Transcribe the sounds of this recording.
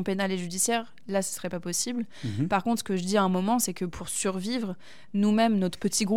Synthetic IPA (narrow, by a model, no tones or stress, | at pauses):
penaleʒyd̪isjɛʁ | lasə̥səʁɛpapɔsibl | paʁkɔ̃t̪χsə̥kəʒəd̪iaɛ̃mɔmɑ̃sɛkəpʰuʁsyʁvivʁ | numɛmnɔt̪χə̥pət̪ʰiɡʁu